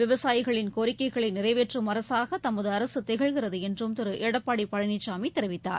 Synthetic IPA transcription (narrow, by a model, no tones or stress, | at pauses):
ʋɪʋɐsaːjɪɣɐɭɪnkoːɾɪkːɐɪɣɐɭɐɪnɪrɐɪʋeːʈrɯmɐɾɐsaːɣɐt̪ɐmːɐðɯɐɾɐsɯt̪ɛɣɐɭɣɪrɐðɯɛndrɯmt̪ɪɾɯʔɛɽɐpːaːɽipːɐɻɐnɪt͡ʃːaːmit̪ːɛɾɯʋɪt̪ːa̰ːɾ